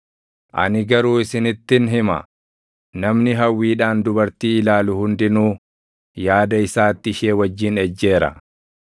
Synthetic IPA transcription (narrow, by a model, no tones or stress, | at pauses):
ʔɐ̰nɪɡɐɾuːɪsɪnɪt̪ːɪnɦɪmɐ̰ | nɐmnɪɦɐwːiːᶑaːnd̪ʊbɐɾt̪iːɪlaːlʊhʊnd̪ɪnuː | jaːd̪ɐɪsaːt̪ːɪɪʃe̞ːwɐd͡ʒːɪnɛd͡ʒːe̞ːɾɐ̰